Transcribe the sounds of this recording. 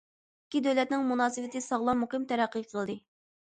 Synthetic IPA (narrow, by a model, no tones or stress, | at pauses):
ikʲːid̪øwlɛt̪̚nɪŋmunɑːsɨwɪt̪ɨsɑʁlˠɑmːuqɨmt̪ʰɛɾæqːəjqʰəlˠd̪ɨ